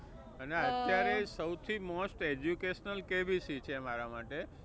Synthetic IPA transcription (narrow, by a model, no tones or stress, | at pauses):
əneət̪jaɾesəwt̪ʰimɔsʈed͡ʒjukeʃnəlkebisit͡ʃʰeəmaɾamaʈe